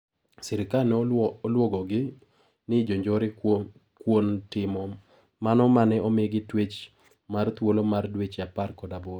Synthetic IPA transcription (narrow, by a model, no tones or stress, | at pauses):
sɪɾɪkanlwɔɡɔɡɪ | nɪd͡ʒoɲd͡ʒɔɾɪko | kwontɪmɔ | manɔmanɛɔmeɡɪtwet͡ʃ | mart̪wolomardwet͡ʃaparkɔdaboɾ